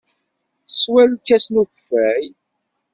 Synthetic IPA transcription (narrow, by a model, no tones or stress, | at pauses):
swælkːæsnuçfæj